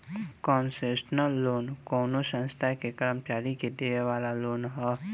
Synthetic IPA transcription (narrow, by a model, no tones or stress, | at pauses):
kɔːnseːʃnəlːoːnkoːnosə̃nst̪ʰakekəɾəmt͡ʃaːɾiked̪eːʋeʋaːlaloːnɦɛː